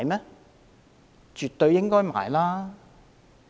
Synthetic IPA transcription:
jmɛː˥ | t͡ʃyː˨t̪ːɵ˧ɥjɪ˥ŋkɔː˥jma̰ː˨jlaː˥

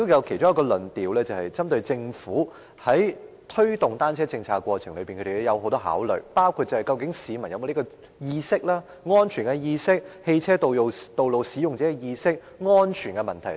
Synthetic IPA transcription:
t̪ːo˥jɐ˨˧wkʰe˨˩t͡ʃʊ˥ŋjɐ˧˥kɔː˧lɵ˨nt̪iː˨wlɛː˥t͡sɐ˨whɐ˨jt͡sɐ˥mt̪ɵ˧ɥt͡sɪ˧ŋfuː˨˥ | hɐ˨˥j | t̪ʰɵ˥ɥt̪ʊ˨ŋt̪aː˥nt͡sʰɛː˥t͡sɪ˧ŋt͡sʰaː˧kːwɔː˧t͡sʰɪ˨˩ŋlɵ˨˧piː˨nʰkɵ˧te˨˩jjɐ˨˧wɦo˨˥wt̪ɔː˥ɦa̰ː˨˥wlɵ̰˨˩paː˥wkʰu˧t̚t͡sɐ˨hɐ˨jkɐ˧wkɪ˨˥ŋsiː˨˧mɐ˨˩njɐ˨˧mo˨˧li˥kɔ˧ | jiː˧sɪ˥k̚laː˥ | ŋɔː˥nt͡ʃʰyː˨˩nkɛ˧jiː˧sɪ˥k̚he˧jt͡sʰɛː˥t̪o˨t̪o˨wlo˨wsiː˨˥jʊ˨ŋt͡sɛː˨˥kɛ˧jiː˧sɪ˥k̚ | ŋɔː˥nt͡ʃʰyː˨˩nkɛ˧mɐ˨˩nt̪ʰɐ˨˩

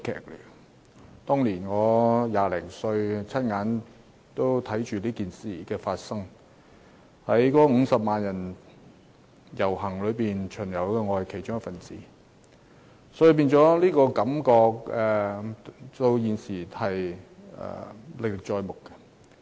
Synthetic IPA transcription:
kʰɛ̰ː˨˩k̚ly̰˨˩ | t̪ɔː˥ŋliː˨˩nŋɔː˨˧jaː˨˧lɛ˨˩ŋsɵ˧ɥt͡sʰɐ˥t̚ŋaː˨˧n | t̪o˥wt̪ʰɐ˨˥jt͡ʃyː˨liː˥kiː˨nsiː˨kɛː˧faː˧t̚sɐ˥ŋ | hɐ˨˥jkɔː˨˥ŋ̩˨˧sɐ˨p̚maː˨njɐ˨˩n | jɐ˨˩wɦɐ˨˩ŋlɵ˨˧ɥpiː˨nt͡ʃʰɵ˨˩njɐ˨˩wkɛː˧ŋɔː˧˨jkʰe˨˩jt͡ʃʊ˥ŋjɐ˥tfɐ˨˩nt͡siː˨˦ | sɔ˨˥ji˧p̬iː˥nt͡sɔː˨˥liː˥kɔː˧kɐ˨˥mkɔː˧k̚ɛː˨ | t̪o˧wjiː˨˧nsiː˨˩hɐ˨jɛ̰ː˨lɪ˨k̚lɪ˨k̚t͡ʃɔː˧jmʊ˨kkːɛ˧

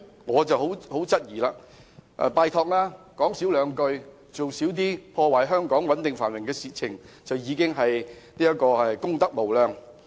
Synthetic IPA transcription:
ŋɔː˨˧t͡sɐ˨wɦo˨˥who˨˥wt͡sɐ˥t̚jiː˨˩laː˧ | ʔɛ̰˨˧paː˧jt̪ʰɔː˧k̚laː˥kɔː˨˥ŋsiː˨˥wlœː˨˧ŋkɵ˧ɥ | t͡so˨wsiː˨˥wt̪̬iː˥pʰɔː˧waː˨˩jɦœː˥ŋkɔː˨˥ŋwɐ˨˥nt̪ɪ˨ŋfa̰ː˨˩nwɪ˨ŋkɛː˧siː˨t͡sʰɪ˨˩ŋt͡sɐ˨wjiː˨˧kɪ˥ŋɦɐ˨jniː˥jɐ˥kɔː˧ɛ˨kʊ˥ŋt̪ɐ˥k̚mo˨˩wlœː˨˧ŋ

